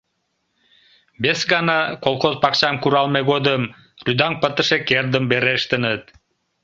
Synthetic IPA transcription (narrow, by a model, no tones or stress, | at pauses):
besɡɑnɑqolˠqozpɑqt͡ɕɑmkuɾɑlˠmeɡod̪ɯm | ɾyd̪ɑŋpət̪ɯʃekerd̪ɯmbeɾeʃt̪ɯnɯt̪